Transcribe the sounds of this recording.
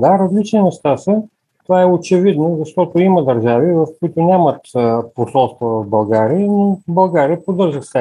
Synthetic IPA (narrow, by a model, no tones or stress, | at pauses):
d̪aɾɐzlit͡ʃninɛʃt̪asə | t̪ovaɛot͡ʃɛvid̪nozɐʃt̪ɔt̪oimɐd̪əɾʒavivɐfkoit̪ʊnʲamət̪əposɔlˠst̪vovɐfbɐlˠɡaɾiənibɐlˠɡaɾiəpod̪ɤɾʒəxsɛ